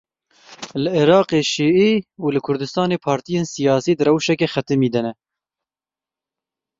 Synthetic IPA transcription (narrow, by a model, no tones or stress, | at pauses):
lɨeɾɑːqeːʃiːʔiuːlɨkʰʊɾd̪ɨst̪ɑːneːpʰɑːɾt̪ijeːnsijɑːsiːd̪ɨɾɛwʃɛkexɛt̪ɨmiːd̪ɛnɛ